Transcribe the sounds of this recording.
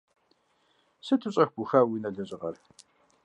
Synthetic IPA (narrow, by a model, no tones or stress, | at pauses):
sɨtʰɨɕʼɐxʷɡ̥ʷuxawinɐɮɐɕʼɪʁɐr